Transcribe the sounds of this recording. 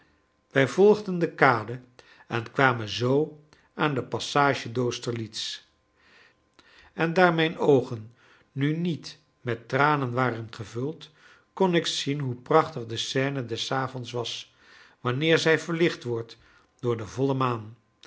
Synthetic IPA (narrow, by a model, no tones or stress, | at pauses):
ʋɛjvɔlˠχdəndəkaːdə | ɛnkʋaːmənzow | ʔaːndəpɑsaːʒədowstəɹlits | ɛndaːɹmɛjnowχənː | ynit | mɛtːraːnənʋaːrənχəvɵlˠt | kɔnɪksinɦuprɑχtəχdəsɛːnədɛsaːvɔnsʋɑs | ʋɑnɪːɹzɛjvəɹlɪχtʋɔɹt | d̥ʊːɹdəvɔləmaːn